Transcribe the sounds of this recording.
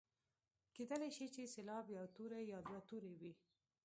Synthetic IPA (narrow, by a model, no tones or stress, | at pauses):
ked̪əleʃit͡ʃeselɑbjɑt̪uɾejɑbjɑt̪uɾewi